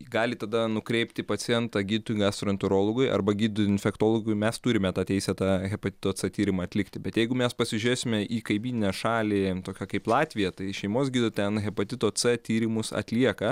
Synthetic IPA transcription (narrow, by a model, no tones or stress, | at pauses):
ɡɑːlʲɪt̪ɐd̪ɐnʊkɾʲɛɪpʲt̪ʲɪpɐt͡ssʲɪjɛnt̪ɑɡʲiːd̪ʲɪt̪ʊɪɡɑːst̪ɾɔnʲt̪ʊɾoːlˠoɡʊɪʔɐ̰rbɐɡʲiːd̪d̪ɪnʲfʲɛkt̪oːlˠoɡʊɪmʲɛst̪ʊɾʲɪmʲɛt̪ɑːt̪ʲɛɪsʲɛt̪ɑːɣʲɛpɐt̪ʲɪ̥t̪oːt͡ssɛt̪ʲiːɾʲɪmɐɐt̪ʲlʲɪkt̪ʲɪbʲɛt̪jɛɪɡʊmʲɛspɐsʲɪʒʲʊɾʲeːsʲɪmʲɛʔiːkɐɪbʲiːnʲɪnʲɛʃɑːlʲɪt̪oːkʲokɐɪplˠɑːt̪ʲʋʲɪjɛt̪ɐɪʃʲɛɪmoːsɡʲiːd̪ʊt̪ʲɛnɣʲɛpɐt̪ʲɪt̪oːt͡s̪ɛt̪ʲiːɾʲɪmʊsɐ̰t̪ʲlʲiɛkɐ